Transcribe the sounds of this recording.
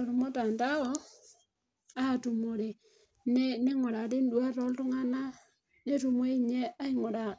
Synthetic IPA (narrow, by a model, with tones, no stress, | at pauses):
o˨ɾo˨mo˦ta˨nta˦o˦ | a˦˨tu˨mo˨ɾe˨ | ne˦ne˦ŋo˨ɾa˨ti˦ndwa˦ɾo˦ltu˦ŋa˦na˦ | ne˦tu˨mwe˦i˦˨ɲe˦ʔa˦i˦ŋo˨ɾa˨